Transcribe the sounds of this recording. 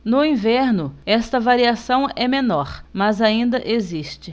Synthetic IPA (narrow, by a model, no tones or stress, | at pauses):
nʊĩvɛɾnʊɛst̪ɐvaɾiasɐ̃w̃ɛmenɔɾmɐzaĩnd̪ɐʔeziʃt͡ʃɪ